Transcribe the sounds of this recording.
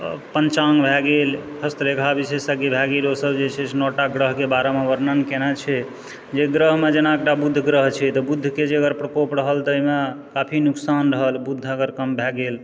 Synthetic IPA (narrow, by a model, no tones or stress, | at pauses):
pənt͡ʃaŋɡbʱɛɡel | həst̪ɾekʰabisesəɡebʱɛɡelosəbd͡ʒet͡ʃʰɛt͡ʃʰnɔʈaɡɾəɦkebaɾameʋəɾnənkenɛt͡ʃʰɛ | d͡ʒeɡɾəɦmed͡ʒenaekʈabud̪ʱːɡɾəɦt͡ʃʰɛt̪ɔbud̪ʱːked͡ʒeəɡəɾpɾəkopɾəɦəld̪əimekapʰinuksanɾəɦəlbud̪ʱːəɡəɾkəmbʱɛɡel